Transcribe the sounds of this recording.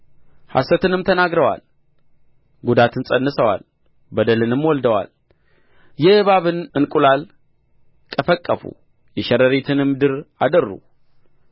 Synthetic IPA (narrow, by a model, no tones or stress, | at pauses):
ha̰sət̪ɨnɨmt̪ʰənaɡɾəwa̰l | ɡud̪at̪ɨnsʼənːɨsəwa̰l | bəd̪əlɨnɨmwɔld̪əwa̰l | jɛhɨβaβɨnɨnkʼulal | kʼəfəkʼːəfṵ | jɛʃɛɾəɾet̪ʰɨnɨmːd̪ɨɾad̪ərːṵ